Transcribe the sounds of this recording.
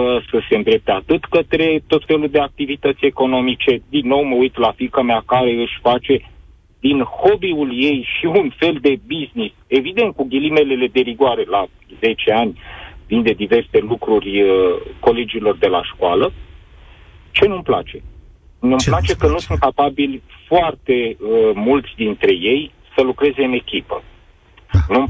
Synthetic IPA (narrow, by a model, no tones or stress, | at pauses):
əsəse̞nd̪ɾe̞p̚t̪eat̪ɨt̪kət̪ɾe̞t̪o̞t̪fe̞lud̪e̞ak̚t̪ivit̪ət̪sʲe̞ko̞no̞mit͡ʃe̞d̪inːo̞wməujt̪lafikəmeakaɾe̞ɨʃʲfat͡ʃe̞ | d̪inho̞biulje̞jʃiunfe̞ld̪e̞biznise̞vid̪e̞nt̪̚kuɡʲilime̞le̞le̞d̪e̞ɾiɡowaɾe̞la | ze̞t͡ʃe̞anʲvind̪e̞d̪ive̞rse̞lukɾurʲko̞le̞d͡ʒilo̞rd̪e̞la̰ʃkoalə | t͡ʃe̞numpla̰t͡ʃe̞ | numplat͡ʃe̞kənusunt̪̚kapabilʲfoart̪e̞əmult̪sʲd̪int̪ɾe̞je̞j | səlukɾe̞ze̞ɨne̞kʲipə | num